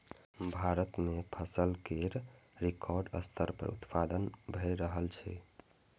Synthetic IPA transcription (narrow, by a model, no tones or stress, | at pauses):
bʱaɾət̪mepʰəsəlkeɾɾikʰɔɾɖə̰st̪ʰəɾpə̰ɾṵt̪pad̪ənbʱəɾəɦəlt͡ʃʰɛ